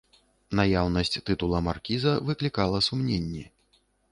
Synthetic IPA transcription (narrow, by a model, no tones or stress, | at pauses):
najawnɐsʲt͡sʲt̪ɨt̪ulˠɐmarkʲizɐvɨklʲikalˠɐsumnʲenʲːɛ